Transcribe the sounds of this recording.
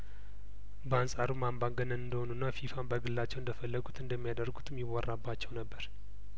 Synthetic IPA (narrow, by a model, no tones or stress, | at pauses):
bəansʼaɾumambaŋɡənəɨnd̪əhonunːafifambəɡɨlːat͡ʃːɛwɨnd̪əfəlːəɡut̪ɨnd̪əmːijad̪ərɡut̪ʰmjiwɔrːabːat͡ʃːɛwnəbːəɾ